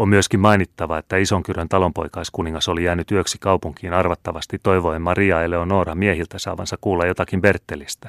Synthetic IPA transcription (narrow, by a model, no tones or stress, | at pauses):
ommyøskimmɑinit̪ːɑʋɑet̪ːæisoŋkyrønt̪ɑlo̞mpo̞̰jkɑiskuniŋːɑso̞lijæːnyt̪yøksikɑuwpuŋkiːnɑrʋɑt̪ːɑʋɑst̪it̪ːoiʋoimmɑriɑelːeonoːrɑmiehilt̪æsɑ̰ːʋɑ̰nsɑkkuːlːɑjjo̞t̪ɑkimbert̪ːelist̪æ̥